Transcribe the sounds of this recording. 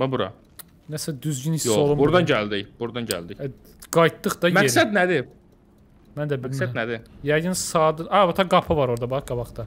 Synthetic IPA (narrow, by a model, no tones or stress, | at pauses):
mɛbuɾɑ̰ | næsæd̪yzɟynisjoolˠumbuɾd̪ɑnɟæld̪içbuɾd̪ɑnɟæ̰ld̪iç | ɡ̥ɑjt̪d̪ːɯχd̪ɑmæesæd̪næd̪i | mænd̪æbilsænæd̪ijæjɯnsɑːd̪ɯɑbɑt̪ʰɑɡɑpʰɯvɑɾoɾd̪ɑbɑχɡ̥ɑbɑχt̪ɑ